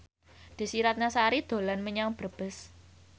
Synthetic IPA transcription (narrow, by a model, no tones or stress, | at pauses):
d̪̥i̤siɾat̪̚nasaɾid̪̥o̤lanməɲaŋb̥ə̤b̥ə̤s